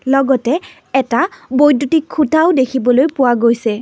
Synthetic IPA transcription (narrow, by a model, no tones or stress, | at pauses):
lɔɡɔtɛ | ɛtabojdutikʰːutʰaʊdekʰibɔlojpʊwaɡojsɛ